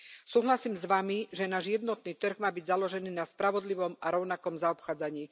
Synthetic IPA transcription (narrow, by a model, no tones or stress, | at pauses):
suːɦlasiːmzʋamiʒɛnaːʒjɛd̪nɔt̪niːt̪r̩ɣmaːbiɟzalɔʒɛniːnaspɾaʋɔd̪liʋɔmaɾɔʊnakɔmzaɔpxaːd͡zaɲiː